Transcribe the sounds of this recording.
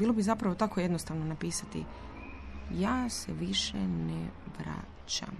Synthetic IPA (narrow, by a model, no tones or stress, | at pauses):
biːlobizapɾaʋo̞t̪ako̞je̞d̪nost̪aːʋnonapiːsat̪ḭ | jaːsḛʋiʃeneʋɾa̰ | t͡ɕa̰m